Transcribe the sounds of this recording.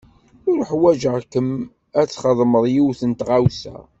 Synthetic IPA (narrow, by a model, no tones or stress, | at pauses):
ʊɾħwæd͡ʒəʁkəm | æt͡sːχəðˤməðˤjiwθənt̪ʁawsæ̰